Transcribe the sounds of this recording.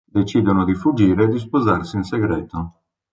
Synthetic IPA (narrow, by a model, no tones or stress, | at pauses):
d̪et͡ʃiːd̪onod̪ifud͡ʒːiːɾeːd̪is̬pozarsinseɡɾɛːt̪o